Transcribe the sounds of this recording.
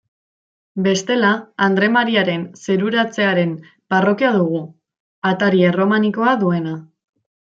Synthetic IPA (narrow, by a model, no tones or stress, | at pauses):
be̞st̪e̞laːnd̪ɾe̞maɾiaɾe̞nse̞ɾuɾat͡se̞aɾe̞m | baro̞kiaðuɣ̞u | at̪aɾiero̞maniko̞aðue̞na